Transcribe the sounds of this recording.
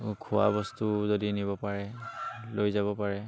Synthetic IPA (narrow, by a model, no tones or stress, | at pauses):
kʰʊwa̰bɔstuzodiniβɔpaɹɛlojzabɔpaɹɛ